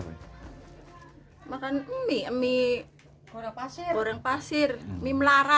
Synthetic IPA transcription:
makanəmiəmi̥ | aasoɾaŋpasɪrəmiməlaɾa

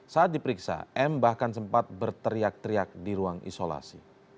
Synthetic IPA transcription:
saat̪̚dipəɾiksa̰ʔɛmbahkansəmpat̪̚bərt̪əɾiak̚t̪əɾiak̚diɾuaŋḭsola̰si

